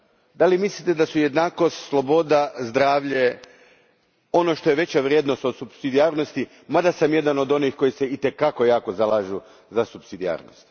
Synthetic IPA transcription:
d̪alimislit̪e̞d̪asuje̞d̪naːko̞st̪slˠo̞bo̞d̪azd̪ɾaːʋʎe̞ | o̞no̞ʃt̪o̞jeʋe̞t͡ɕaʋɾjeːd̪no̞st̪osubsid̪iaːɾno̞st̪i | mad̪asamje̞d̪ano̞d̪o̞nixko̞jiseit̪e̞kako̞jaːko̞zalˠaːʒu | zasubsid̪ia̰ːɾno̰st̪

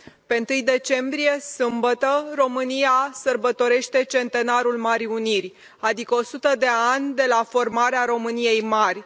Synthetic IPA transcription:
pe̞ɨnt̪ɨjd̪e̞t͡ʃe̞mbɾije̞sɨmbət̪əro̞mɨnijasərbət̪o̞ɾe̞ʃt̪e̞t͡ʃe̞nt̪e̞naɾulmaɾiunirʲ | ad̪ikəo̞sut̪əd̪e̞anʲd̪e̞lafo̞rmaɾeaɾo̞mɨnije̞jmarʲ

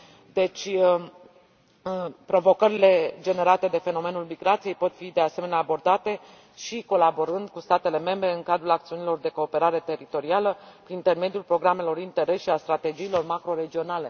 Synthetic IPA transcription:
d̪e̞t͡ʃʲə | pɾo̞vo̞kəɾile̞d͡ʒe̞ne̞ɾat̪e̞d̪e̞fe̞no̞me̞nulmiɡɾat̪sije̞jpo̞t̪fid̪e̞ase̞me̞neabo̞rd̪at̪e̞ | ʃiko̞labo̞ɾɨnd̪kust̪at̪e̞le̞me̞mbɾe̞ɨŋkad̪ɾulak̚t̪siunilo̞rd̪e̞ko̞ːpe̞ɾaɾe̞t̪e̞ɾit̪o̞ɾialəpɾiint̪e̞rme̞d̪iulpɾo̞ɡɾame̞lo̞ɾint̪e̞ɾe̞sʃiast̪ɾat̪e̞d͡ʒiːlo̞rmakɾo̞ɾe̞d͡ʒio̞nale̞

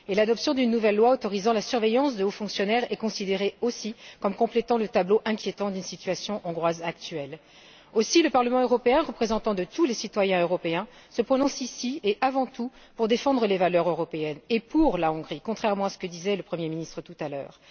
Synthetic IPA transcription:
elad̪ɔpsjɔ̃d̪ynːuvɛlːwaot̪ɔʁizɑ̃lasyʁvejɑ̃sd̪əofɔ̃ksjɔnɛʁɛkɔ̃sid̪eʁeosikɔmkɔ̃plɛt̪ɑ̃lət̪abloʔɛ̃kʲjet̪ɑ̃d̪ynsit̪ɥasjɔ̃ʔɔ̃ɡʁwazak̚t̪ɥɛl | osiləpaʁləmɑ̃øʁɔpeɛ̃ʁəpχezɑ̃t̪ɑ̃d̪ət̪ulesit̪wajɛ̃øʁɔpeɛ̃səpχɔnɔ̃sisieʔavɑ̃t̪u | puʁd̪efɑ̃d̪ʁəlevalœʁøʁɔpeɛnepuʁlaɔ̃ɡʁikɔ̃t̪χɛʁmɑ̃asə̥kəd̪izɛləpχəmjeminist̪χət̪ut̪alœːʁ

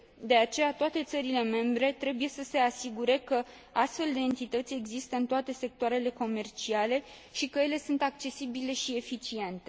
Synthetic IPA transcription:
d̪e̞at͡ʃe̞jat̪oat̪e̞t̪səɾile̞me̞mbɾe̞t̪ɾe̞buje̞səse̞asiɡuɾe̞kə | ast̪fe̞ld̪e̞ːnt̪it̪ət̪sʲe̞ɡzist̪əɨnt̪oat̪e̞se̞k̚t̪oaɾe̞le̞ko̞me̞rt͡ʃiale̞ | ʃikəje̞le̞sunt̪ak̚t͡ʃe̞sibile̞ʃie̞fit͡ʃie̞nt̪e̞

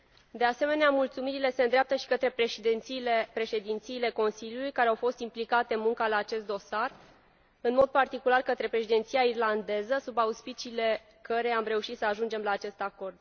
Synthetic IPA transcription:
d̪e̞ase̞me̞neamult̪sumiɾile̞se̞nd̪ɾeap̚t̪əʃi̥kət̪ɾe̞pipɾe̞ʃe̞d̪int̪siːle̞ko̞nsiljulujkaɾeawfo̞st̪implikat̪e̞nmuŋkalaːt͡ʃe̞st̪̚d̪o̞sar | ɨnmo̞d̪̚part̪ikularkət̪ɾe̞pɾe̞ʃid̪e̞nt̪sijairland̪e̞zəsubauspit͡ʃiːle̞ | kəɾe̞amre̞uʃit̪səaʒund͡ʒe̞mlaːt͡ʃe̞st̪ako̞rd̪̚

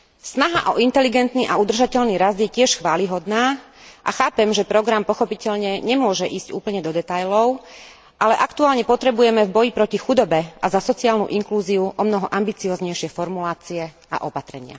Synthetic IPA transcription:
snaɦaʔɔʔint̪ɛliɡɛnt̪niʔaud̪r̩ʒacɛʎniɾazd̪jɛcɪɛʃxʋaːliɦɔd̪naː | ʔa̰xaːpɛmʒɛpɾɔɡɾampɔxɔpicɛʎɲɛɲɛmʊɔʒɛʔiːzcṵːpl̩ɲɛd̪ɔd̪ɛt̪ajlɔʊ | ʔalɛʔakt̪uaːlɲɛpɔt̪ɾɛbujɛmɛvbɔjipɾɔcixud̪ɔbɛʔazasɔt͡siaːlnṵʔiŋkluːziuʔɔmnɔɦɔʔambit͡siɔːzɲɛjʃɪɛfɔɾmulaːt͡siɛ | a̰ʔɔpat̪ɾɛɲɪa̰

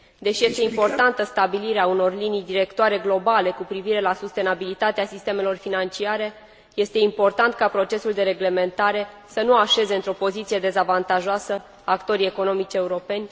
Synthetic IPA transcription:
d̪e̞ʃje̞st̪e̞impo̞rt̪ant̪əst̪abiliɾeauno̞rlinijd̪iɾe̞kt̪oaɾe̞ɡlo̞bale̞kupɾiviɾe̞lasust̪e̞nabilit̪at̪easist̪e̞me̞lo̞rfinant͡ʃiaɾe̞ | je̞st̪e̞impo̞rt̪ant̪̚kapɾo̞t͡ʃe̞suld̪e̞ɾe̞ɡle̞me̞nt̪aɾe̞ | sənuaʃe̞ze̞ɨnt̪ɾo̞po̞zit̪sie̞d̪e̞zavant̪aʒoasə | akt̪o̞ɾie̞ko̞no̞mit͡ʃe̞uɾo̞pe̞nʲ

